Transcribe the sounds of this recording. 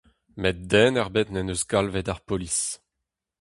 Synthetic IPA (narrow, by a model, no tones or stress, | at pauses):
mɛt̚d̪ɛːnɛʁbet̪nɛnøsɡalvɛd̪aʁpolis